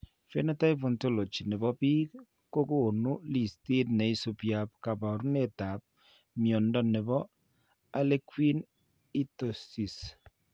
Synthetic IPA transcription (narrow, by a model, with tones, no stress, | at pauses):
fe˦na˦ta˦i˦po˨nto˦lo˨t͡ʃi˨ne˨bɔ˦pi˦ | ko˦ko˦˨nu˦li˨sti˦t̚nɛ˨i˦so˦pja˦p̚ka˨ba˨ɾu˦ne˦˨ta˨p̚ | mjɔ˨ndɔ˦ne˨bɔ˦ | a˦le˦kwi˦n | i˦to˨si˨s